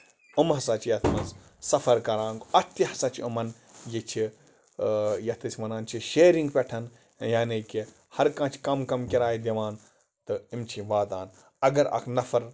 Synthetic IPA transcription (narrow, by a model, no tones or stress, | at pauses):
umɦɐsɐt͡ʃʰjɐt̪ʰmɐnz | sɐfɐɾkɐɾãːŋɡɐt̪ihɐsɐt͡ʃʰiumɐn | jit͡ʃʰi | jɐt̪ɐsʲmɐnaːnt͡ʃʰiʃeːɾiŋɡpʲeʈʰɐn | jaːneki | hɐɾkãːt͡ʃʰkɐmkɐmkʲiɾaːid̪iʋaːn | t̪ɨimt͡ʃʰiʋaːd̪aːn | ɐɡɐɾɐ̰kʰnɐfɐɾ